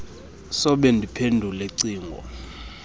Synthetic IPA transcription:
sɔɓɛndʱipʰendʱuleǀiːŋɡʱɔ̰

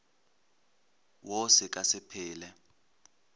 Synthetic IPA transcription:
wɔsɛk̬ʼasɪpʰɪːlɛ

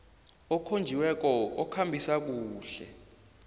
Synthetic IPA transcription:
ɔkʰond͡ʒʱiwɛk̬ɔɔkʰambʱisak̬uːɬɛ̰

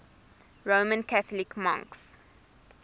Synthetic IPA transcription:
ɹoːmə̃nkaθəlɪkmã̰ŋks

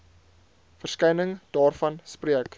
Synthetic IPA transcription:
fərskɛjnəŋd̥ɑːrfɐnspriək

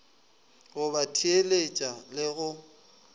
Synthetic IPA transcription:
ɣʊbatʰielet͡ʃʼalɪɣʊ

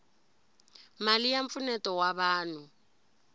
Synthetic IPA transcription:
malijaɱpfunɛtɔwaβaːnu

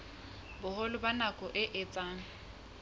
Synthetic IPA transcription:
bʊholʊbanakʼɔʔɪʔɪt͡sʼaːŋ̩

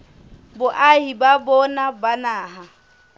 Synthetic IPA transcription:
bʊʔaɦibabɔnabanaːɦa

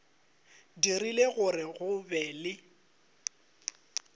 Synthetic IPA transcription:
dirileɣʊrɪɣʊbɛːlɪ

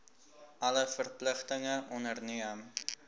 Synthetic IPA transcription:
ʔɐləfərpləχtəŋəʔɔnərniəm

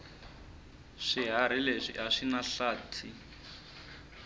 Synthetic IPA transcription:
ʂiɦaɾ̤ileʂḭɦaʂinaɬaːtʰi

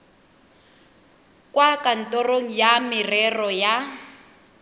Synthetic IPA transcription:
kʼwakan̩tʼɔroŋ̩jamɪrɛrɔja

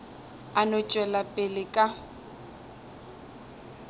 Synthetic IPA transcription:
anɔt͡ʃʼwɛlapʼɪlɪkʼa

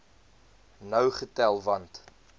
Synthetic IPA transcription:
nœwχətælˠvɐnt

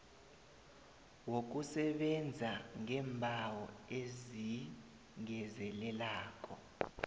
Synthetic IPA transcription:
wok̬usɛɓɛnd͡zʱaŋɛmbʱawɔezi | ŋɛzɛlɛlaːk̬ʼɔ

